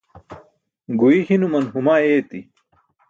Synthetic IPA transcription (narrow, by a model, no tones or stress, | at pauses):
ɡuihinumɐnɦumaːeːt̪i